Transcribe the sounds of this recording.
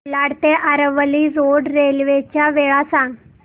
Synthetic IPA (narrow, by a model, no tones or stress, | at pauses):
laɽt̪eʔaɾəʋəlid͡zoɽɾelʋet͡ɕjaʋeɭasãŋɡ